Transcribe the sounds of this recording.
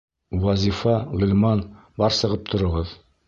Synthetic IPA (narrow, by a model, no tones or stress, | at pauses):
wɒzʲifɑʁɵ̆lʲmɑn | bɒɾsɤ̆ʁɤp̚t̪ʰŏɾɤ̆ʁɤð